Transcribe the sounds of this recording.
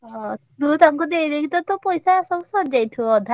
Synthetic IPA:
d̪ut̪aŋkɔd̪eid̪ekʰit̪ɔt̪ɔpɔjsasɔbɔsɔɾd͡ʒajʈʰuɔd̪ʱa

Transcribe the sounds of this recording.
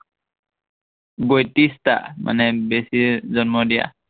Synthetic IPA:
bɔjtista̰mʔa̰nɛbesiɹzɔnmɔdija̰

